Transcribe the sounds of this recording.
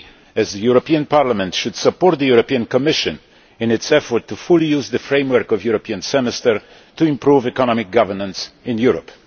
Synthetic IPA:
ɨzðəjuɹɔpiə̃npʰaɹlamɛ̃ntʃud̥səpɔɹt̪̚ðəjuɹɔpiə̃nkɔmɪʃɨ̃n | ɨ̃nɨtsɛfɔɹtʰːufulijuzðɨfɹẽɪ̃mwə˞kɔvjuɹopʰiə̃nsɛmɛstəɹ | tuɪ̃mpʰɹuvɛkəñɔmɪk̚ɡ̥ʌvə˞nə̃nsɪ̃njuɹɔ̰p

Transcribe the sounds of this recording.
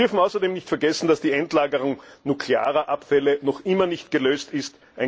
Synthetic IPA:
ʏɐfn̩aʊsɐdeːmnɪçtfɛɐɡɛsn̩d̥asd̥iːɛntlaːɡəʁʊŋnukʰlea̰ːʁɐʔapfɛlənɔχʔɪmɐnɪçtɡ̥əløːstɪst | ʔaɪ

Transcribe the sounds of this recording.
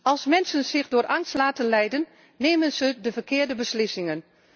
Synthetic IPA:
ʔɑlˠsmɛnsənz̥ɪxdʊːɾʔɑŋstlaːtənlɛjdənː | eːmənzədəvəɹkɪːɹdəbəslɪsɪŋən

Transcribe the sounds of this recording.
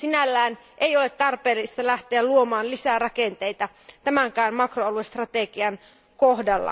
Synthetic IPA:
sinælːæːn | ʔeijo̞let̪ːɑrpeːlːist̪ɑlæht̪eælluomɑːnlisærɑkent̪ejt̪ɑ | t̪æmæŋkæːnmɑkroɑluest̪rɑt̪eɡ̥iɑn | kohdɑlːɑ̰

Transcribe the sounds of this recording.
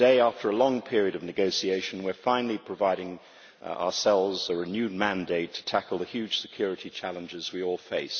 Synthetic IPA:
d̥eɪæftʰə˞əlɔ̃ŋpʰɪɹiɨɾʌvnɨɡoʊsieɪʃn̩wɪ˞fãɪ̃nl̩ˠipʰɹ̥əvaɪɾɪ̃ŋ | ə̰əsɛlˠvzəɹɨnjʉd̚mæ̃ndeɪtʰə̥tʰækl̩ˠðəhjʉd̥ʒ̥sɨkʰj̥ɔɹɨɾit͡ʃʰælˠə̃nd͡ʒɪzwiɔlˠfeɪs

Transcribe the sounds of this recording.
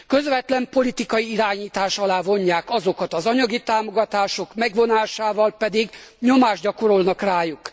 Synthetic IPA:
kø̞zvɛt̪lɛmpo̞lit̪ikɒjiiɾaːɲiːt̪aːʃɒlaːvo̞ɲːaːkɒzo̞kɒt̪ɒzɒɲɒɡit̪aːmo̞ɡɒt̪aːʃo̞kmɛɡvo̞naːʃaːvɒlpɛd̪iɡɲo̞maːʒɟɒko̞ɾolnɒkraːjuk

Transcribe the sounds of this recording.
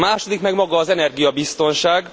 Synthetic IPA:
aːʃo̞d̪ikmɛɡmɒɡɒːzɛnɛrɡijɒbist̪o̞nʃaːɡ

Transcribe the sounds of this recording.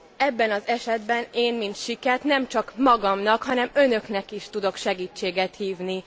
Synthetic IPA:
ɛbːɛnɒzɛʃɛd̪bɛneːnmint̪ʃikɛrt̪nɛmt͡ʃɒkmɒɡɒmnɒkhɒnɛmø̞nø̞knɛkiʃt̪ud̪o̞kʃɛɡiːt͡ʃːeːɡɛt̪hiːvni

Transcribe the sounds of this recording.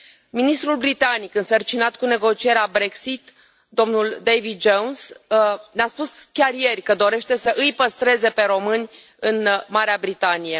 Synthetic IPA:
minist̪ɾulbɾit̪anikɨnsərt͡ʃinat̪kune̞ɡo̞t͡ʃie̞ɾeabɾe̞ksit̪ | d̪o̞mnuld̪ejvid̪̚d͡ʒonsneaspuskʲarje̞rʲkəd̪o̞ɾe̞ʃt̪e̞səʔɨjpəst̪ɾe̞ze̞pe̞ɾo̞mɨnʲ | ɨnmaɾeabɾit̪anije̞

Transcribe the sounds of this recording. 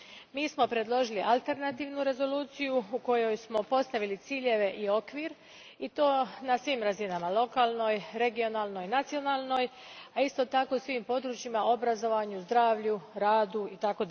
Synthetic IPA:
miːsmo̞pɾe̞d̪lo̞ʒiliʔalˠt̪e̞ɾnat̪iːʋnuɾe̞zo̞luːt̪sijuuko̞jo̞jsmo̞po̞st̪aʋilit̪siːʎe̞ʋe̞ʔio̞kʋiːɾ | it̪o̞ːnasʋimɾazinamalo̞kaːlˠno̞jɾe̞ɡio̞naːlˠno̞jnat̪sio̞naːlˠno̞j | aist̪o̞t̪ako̞usʋimpo̞d̪ɾut͡ʃimao̞bɾazo̞ʋaɲuzd̪ɾaːʋʎuɾaːd̪uit̪ako̞d̪

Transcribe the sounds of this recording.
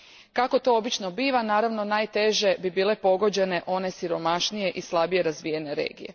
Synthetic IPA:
kako̞t̪o̞obit͡ʃnobiːʋanaːɾaʋno̞naːjt̪e̞ʒe̞bibiːle̞po̞ɡo̞d͡ʑe̞ne̞ʔo̞ne̞siɾo̞maʃnije̞ʔislˠabije̞ɾazʋiːje̞ne̞ɾḛːɡḭje̞

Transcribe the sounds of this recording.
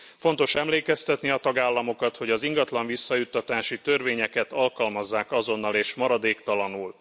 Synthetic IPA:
fo̞n̪t̪o̞ʃɛmleːkɛst̪ɛt̪niɒt̪ɒɡaːlːɒmo̞kɒt̪ho̞ɟɒziŋɡɒt̪lɒɱvisːɒjut̪ːɒt̪aːʃit̪ø̞rveːɲɛkɛt̪ɒlkɒlmɒzːaːkɒzo̞nːɒleːʃmɒɾɒd̪eːkt̪ɒlɒnuːl

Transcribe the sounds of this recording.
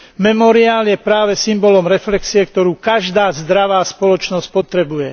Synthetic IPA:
mɛmɔɾiaːljɛpɾaːʋɛsimbɔlɔmɾɛflɛksiɛkt̪ɔɾuːkaʒd̪aːzd̪ɾaʋaːspɔlɔt͡ʃnɔsc̚pɔt̪ɾɛbujɛ

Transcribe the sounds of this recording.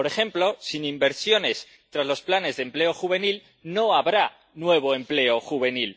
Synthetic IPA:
oɾe̞xe̞mplo̞sinimbe̞ɾsjo̞ne̞s | t̪ɾazlo̞splane̞zðe̞mple̞o̞xuβ̞e̞nil | no̞aβɾa | nwe̞β̞o̞e̞mple̞o̞xuβe̞nil

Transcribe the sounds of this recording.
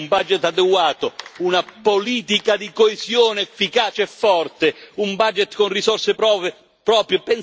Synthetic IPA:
mbad͡ʒɛt̪ad̪eɡwaːt̪ounapoliːt̪ikad̪ikoezjoːneɛfːikaːt͡ʃeɛfːɔrt̪eumbad͡ʒɛt̪konrisɔrse | pɾɔːpɾjepen

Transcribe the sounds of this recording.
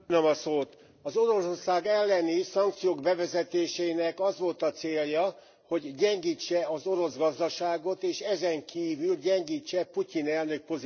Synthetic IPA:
nømɒsoːt̪ | ɒzo̞ɾo̞sorsaːɡɛlːɛnisɒŋk̚t̪sijoːɡbɛvɛzɛt̪eːʃɛinɛkɒzʋo̞lt̪ɒt̪seːljɒ | ho̞ɟːɛŋɡiːt͡ʃːɛɒzo̞ɾo̞zɡɒzd̪ɒʃaːɡo̞t̪eːʃɛzɛŋkiːvylɟɛŋɡiːt͡ʃːɛpucinɛlnø̞k̚po̞z

